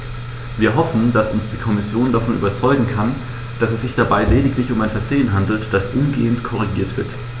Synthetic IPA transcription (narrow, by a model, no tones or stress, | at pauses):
viːɐɦɔfn̩d̥asʊnsd̥iːkʰɔmɪsjoːndafɔnʔy̰ːbɐt͡sɔʏɡŋ̩kʰan | d̥asɛsz̥ɪçd̥abaɪleːdɪktlɪçʊmaɪnfɛɐzeːənɦandl̩td̥asʔʊmɡḛːəntkʰɔʁ̞iɡiːɐtv̥ɪɐt